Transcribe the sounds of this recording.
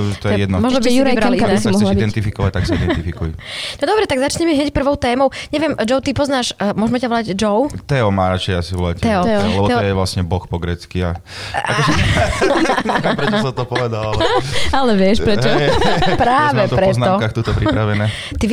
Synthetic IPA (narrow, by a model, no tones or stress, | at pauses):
t̪ɔjjɛd̪nɔmɔʒnɔsuɾajbɾakaisiɔɦlaid̪ɛnt̪ifikɔʋac̚t̪aksaid̪ɛnifikujnɔd̪ɔbɾɛt̪aɡzat͡ʃɲɛmɛɦɲɛcpr̩ʋɔʊt̪ɛːmɔʊɲɛʋɪɛmd͡ʒɔʊt̪ipɔznaːʃmʊɔʒmɛcaʋɔlaɟd͡ʒɔʊt̪ɛɔmaːɾat͡ʃɛjasiʋɔla̰c̪ɛɔlɛbɔt̪ɔjɛʋlasɲɛbɔxpɔɡɾɛːt͡skia̰ | aɔk | pɾɛt͡ʃsɔt̪ɔpɔʋɛd̪a | alɛʋɪɛʃpɾɛt͡ʃɔpɾaːʋɛt̪pɾɛznaɔkaːxt̪uːt̪ɔpɾipɾaʋɛnɛː | t̪i